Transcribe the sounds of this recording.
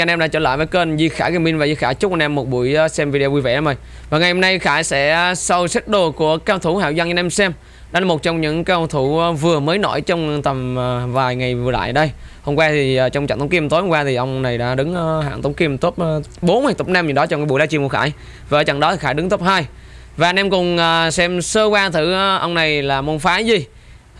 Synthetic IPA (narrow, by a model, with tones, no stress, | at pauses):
a˧nʔɛ˧mɗa̰ː˧˥t͡ɕəː˧˩la̰ː˧˨jvəː˨˦jkə˧nzi˧xaː˧˩ka˧˩mi˧nvaː˨˩zi˧˩xaː˧˩jt͡ɕk͡p̚ʔa˧nʔɛ˧mːo˨˩t̚ɓṵ˧˩əjsɛ˧mvi˧i˧o˧vu˧vḛ˧˨ɗa˨˧˦mə˨˩ | vaː˨˩ŋa˨˩jho˧mna˧jxaː˧˩jsɛ̰˧˥sa˧wsɛ˦˥t̚ɗo˨˩ku˧˩əkaː˧wt̪ʰu˧˩ha̰ː˧˨wza˧ŋɲa˧nʔɛ˧msɛ˧m | ɗaː˨˦lmo˨˩t̚t͡ɕɔ˧wŋ͡mɲɨ̰˧˥ŋkaː˧wt̪ʰu˧˩˧vɨ˨˩əməː˨˦jno̰˧˩˨jt͡ɕɔ˧wŋ͡mt̪ə˨˩mː˨˩vaː˨˩jŋa˨˩jvɨ˨˩əla̰ː˧˨jɗə˧jho˧ŋ͡mkwaː˧t̪ʰi˨˩˨t͡ɕwŋ͡mt͡ɕa̰˧˨ŋt̪ʰŋki˧əmt̪o˨˦jho˧ŋ͡mkwaː˧t̪ʰi˨˩ʔə˧wŋ͡mna˨˩jɗa̰ː˧˥ɗɨ˨˦ŋː˧a̰ː˧˨nt̪ə˨˦wŋ͡mki˧əmt̪o˦˥p̚ːɓo˨˦nhaː˨˧˩jt̪o˦˥p̚na˧mɲɨ˨˩ɗɔ˨˦t͡ɕɔ˧ŋ͡mkaː˨˦ɓu˧˨laː˨˦t͡ɕi˧˩mku˧˩xaː˧˩j | vaː˧˩t͡ɕa̰˧˨ŋɗɔ˨˦t̪ʰi˨˩xaː˧˩jɗɨ˨˦ŋt̪o˦˥p̚haː˧j | vaː˨˩nɛ˧mkʊ˨˩ŋ͡mʔːsɛ˧msəː˧kwaː˧t̪ʰɨ˧˩ʔə˧wŋ͡mna˨˩jlaː˨˩mu˧nfaː˨˦jzi˨˩